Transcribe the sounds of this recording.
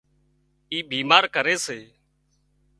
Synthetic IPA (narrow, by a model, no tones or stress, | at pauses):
iːbʱiːmaːɾkəɾeːseː